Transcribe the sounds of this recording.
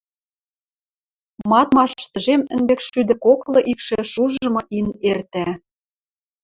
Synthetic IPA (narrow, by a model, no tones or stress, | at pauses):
mɑt̪mɑʃt̪ə̆ʒemɘ̆nb̪ĕkʃyd̪ə̆koklɤ̆ʔikʃĕʃuʒɤ̆mɤ̆ʔinert̪æ